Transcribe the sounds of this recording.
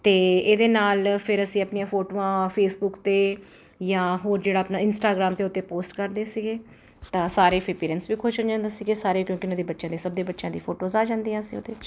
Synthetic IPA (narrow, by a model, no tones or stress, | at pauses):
t̪eːeːd̪eːnaːlpʰɪɾəsĩːəpnijãːpʰoːʈoːãːpʰeːsbʊkt̪eː | jãːɦoːɾd͡ʒeːɽaːpnaːɪnsʈaːɡɾaːmt̪eːʊt̪ːeːpoːsʈkəɾd̪eːsiɡeː | t̪ãːsaːɾeːpʰipeːɾənsʋiːkʰʊːʃənd͡ʒãːnd̪aːsiɡeːsaːɾeːkjõːkɪʊnãːd̪eːbətːʃãːd̪eːsəb̚d̪eːbətːʃãːd̪iːpʰoːʈoːzaːd͡ʒãːnd̪iːãːsḭ̃ːo̰ːd̪eːɪt͡ʃ